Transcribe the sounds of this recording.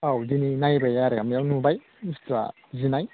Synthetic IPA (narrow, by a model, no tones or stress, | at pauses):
awdininajbajaɾaɡamijawnubaj | nustɾa̰ | zinaj